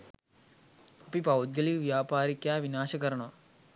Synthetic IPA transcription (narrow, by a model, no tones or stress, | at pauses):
ɐpipawd̪̚ɡɐliʋjaːpaːɾikjaːʋinaːʃɐkɐɾɐɳo